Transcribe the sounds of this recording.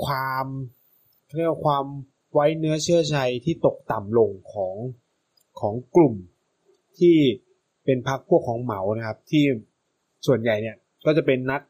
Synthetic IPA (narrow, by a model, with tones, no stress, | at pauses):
kʰwaː˧m | kʰa˥˩˨a˨˩kʰwaː˧m | wa˦˥jnɯ˦˥ɐt͡ɕʰɯ˥˩ɐt͡ɕʰa˧jt̪ʰiː˥˩t̪o˨˩k̚t̪a˨˩mlo˧ŋkʰɔː˩˦ŋ | kʰɔː˩˦ŋklu˨˩m | t̪ʰiː˥˩ | pe˧npʰa˦˥k̚pʰu˥˩əkʰːɔː˩˦ŋma˩˦wna˦˥kʰa˦˥p̚t̪ʰiː˥˩ | su˨˩ənja˨˩jni˦˥˩ɐ | kɔː˥˩t͡ɕa˨˩pe˧nːa˦˥t̚